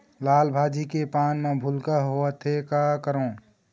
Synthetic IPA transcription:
laːlbʱaːd͡ʒikepaːnmẽbʱʊlkaɦoət̪ʰekakəɾõː

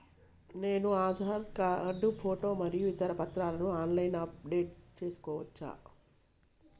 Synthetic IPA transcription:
ne̞ːnuaːd̪ʱaːɾkaɐɖːupʰoːʈo̞ːmɐɾijuʋit̪ɐɾɐpɐt̪ɾaːlɐnuaːnlɐjnɐp̚ɖe̞ːʈ̚t͡ʃe̞ːsu̥kɔːʋɐt͡ʃːa̰ː

